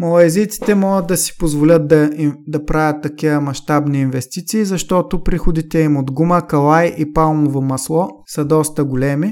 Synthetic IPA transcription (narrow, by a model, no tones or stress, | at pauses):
mɐlˠɐɛzit̪si̥t̪ɛmɔɡəd̪̚d̪ɐsi̥pozvolʲət̪̚d̪ɐid̪ɐpɾavʲɐt̪ːɐkivəmɐʃt̪abniːnvɛst̪it̪siːzɐʃt̪ɔt̪ʊpɾixʊd̪it̪ɛimod̪ɡuməkɐlˠajʔipalˠmovomɐslˠɔsɐd̪ɔst̪əɡolʲɛmi